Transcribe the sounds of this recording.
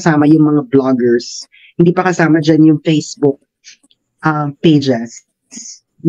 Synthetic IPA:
saːmɐjʊŋmɐŋablɔɡɛɹs | hɪnd̪iːpɐkɐsaːmɐd͡ʒanjʊŋfejsbʊk̚ | ʔɐmpejd͡ʒɛs | s

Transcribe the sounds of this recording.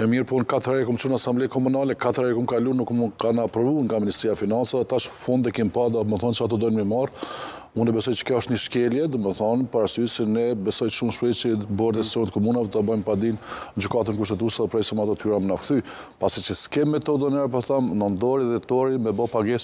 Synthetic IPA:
ɛmiɾpɔnkat̪əɾɛkumt͡ʃunasamblɛjkɔmunalɛkat̪ɾɛkumkalunukmunt̪kanapɾɔvuɾŋɡaminist̪ɾiafinansaðɛt̪aʃfɔnd̪ɛkɛmpad̪aməθɔnt͡ʃəat̪ɔd̪ɔjnmimaɾ | unɛbɛsɔjt͡ʃə̥kɔɔʃt̪ɲəʃkɛljɛd̪ɔməθɔnpaɾasysɛnɛbɛsɔjʃumʃpɾɛt͡ʃəbɔɾt̪ɛsɾɔnɛt̪əkɔmunavɛt̪abajmpad̪ind͡ʑykat̪ənkuʃ̬t̪ɛt̪̬usɛðɛpɾɛsɛmat̪ɔt̪yɾamənafkt̪y | pasit͡ʃəskɛmɛt̪ːɔd̪ɔnɛɾpɔθamnɔnd̪ɔɾiðɛt̪ɔɾimɛbɔpaɡɛs

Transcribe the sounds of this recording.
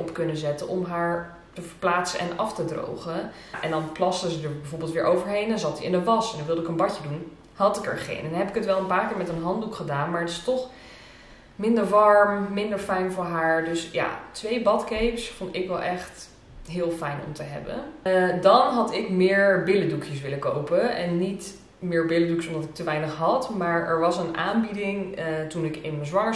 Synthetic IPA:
ʔɔpkɵnəzɛtənʔɔmɦaːɹ | təvəɹplaːtsə̰ʔɛ̰nɑftədro̰wχə | ʔɛndɑnplɑstəzədəɹbɛvoːbɪːlˠtʋɪːɹʔowvəɹɦejndɑnzɑt̚diɪnəʋɑsɛndɔnʋɪlˠdəɪkənbɑcədun | hɑtɪkə̰ɹχḛnɛnnɦɛpɪkətʋɛlˠənpaːɹkɪːɹmɛtənɦɑndukχədaːnmaːɹətɪ̥stɔχ | mɪndəɹʋɑɹmmɪndəɹfɛjnvʊːɹɦaːɹdɵsja̰tʋejbɑtkejpsfɔndɪkʋɛlˠʔɛχt | ɦɪːlˠfɛjnɔ̰mtəɦɛ̰bə̰dɑnɦɑtɪkmɪːɹbɪlədukʰjəsʋɪləkowpəɛnːit | mɪːɹbɪləduksɔmdɑtɪk̚təʋɛjnəχɦɑtmaːɹɛɹʋɑsənʔa̰ːnbidɪŋtunɪkɪnməzʋɑŋə

